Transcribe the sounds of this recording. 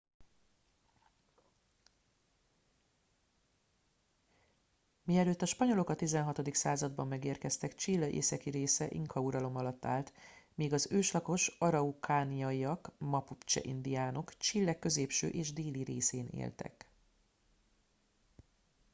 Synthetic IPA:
miɛløːt̪ːɒʃpɒɲo̞lo̞kɒt̪izɛnɦɒt̪o̞d̪iksaːzɒd̪bɒmːɛɡeːrkɛst̪ɛkt͡ʃilːɒʔḛːsɛkiɾeːsɛʔiŋkʰɒuɾɒlo̞mɒlɒt̪ːa̰ːlt̪meːɡɒzøːʃlɒko̞ʃɒɾɒukʰaːnijɒiɒkmɒpupt͡ʃɛ̰ʔḭnd̪ijaːno̞kt͡ʃilːɛkːø̞zeːpʃø̰ːʔeːʒd̪eːliɾeːseːnḛːlt̪ɛ̰k

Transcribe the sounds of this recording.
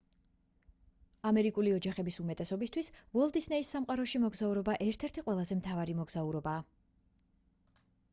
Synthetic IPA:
amɛɾikʼuliɔd͡ʒaχɛbisumɛt̪ʼɛsɔbist̪ʰwisvɔlˠd̪isnɛisːamqʼaɾɔʃimɔɡzauɾɔbaʔɛɾt̪ʰɛɾt̪ʰiqʼwɛlˠazɛmt̪ʰavaɾimɔɡz̥auɾɔbaː

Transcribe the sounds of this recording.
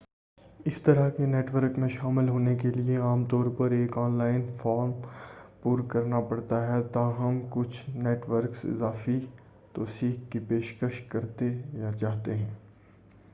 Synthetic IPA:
ɪst̪ɐɾəɦkeneːʈʋəɾkmẽʃaːmɪlɦoːnek̬elieaːmt̪ɔːɾpɐɾeːkɔːnlaːɪnfaːɾmpuːɾkɐɾnapɐɽt̪aɦɛt̪aːɦɐmkʊt͡ʃʰneːʈʋəɾksɪ̰zaːfi | t̪osiːkːipeːʃkəʃkɐɾt̪ejat͡ʃaːɦt̪eɦɛ̃ː

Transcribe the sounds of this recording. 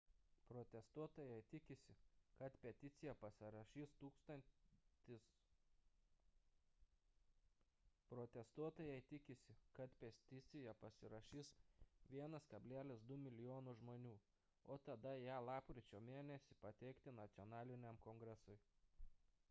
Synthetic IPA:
pɾɔt̪ʲɛst̪uɔt̪oːjɛɪt̪ʲɪkʲɪsʲɪkɐt̪pʲɛt̪ʲɪt̪sʲɪjɛpɐsʲɪɾɐʃʲiːst̪uːkst̪ɐnʲt̪ʲɪs | pɾɔt̪ʲɛst̪uɔt̪oːjɛɪt̪ʲɪkʲɪsʲɪkɐt̪pʲɛst̪ʲɪt̪sʲɪjɛpɐsʲɪɾɐʃʲiːsʋʲiɛnɐskɐbʲlʲæːlʲɪsd̪ʊmʲɪlʲɪjoːnʊʒmoːnʲuː | oːt̪ɐd̪ɐjæːlˠɑːpkɾʲɪt͡ʃʲoːmʲeːnʲɛsʲɪpɐt̪ʲɛɪkt̪ʲɪnɐt̪sʲɔnɑːlʲɪnʲɛmkɔŋɡɾʲɛsʊɪ

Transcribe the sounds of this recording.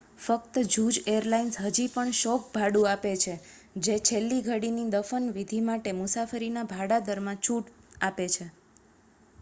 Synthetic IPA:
fəkt̪əd͡ʒud͡ʒejəɾlainsɦəd͡ʒipəɳʃɔk̚bʱaɽũapet͡ʃʰe | d͡ʒet͡ʃʰelːiɡʱəɽinid̪əfənʋid̪ʱimaʈemʊsafəɾinabʱaɽad̪əɾmãt͡ʃʰuʈapet͡ʃʰe

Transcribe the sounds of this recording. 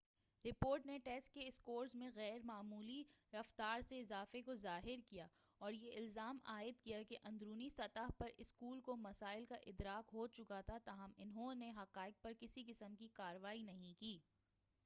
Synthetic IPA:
ɾɪpoːɾʈneʈɛːsʈ̚keɪskoːɾzmẽɣɛːɾmaːmuːliɾɐft̪aːɾseɪzaːfekozaːɦɪɾkija | ɔːɾjeɪlzaːmaːɪd̪̚kijakeʔɐ̃nd̪ɾuːnisɐt̪aɦpɐɾɪskuːlkomɐsaːɪlkaʔɪd̪ɾaːkɦoːt͡ʃʊkat̪ʰat̪aːɦəmɪnɦõneɦɐqaːɪɡ̚pɐɾkɪsikɪsəmkikaːɾəʋaːinɐɦĩkiː

